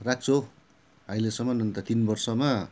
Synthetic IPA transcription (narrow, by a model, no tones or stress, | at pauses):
rak̚t͡sʰo | ɦailesʌmːʌnʌnt̪ʌt̪inbʌrsʌma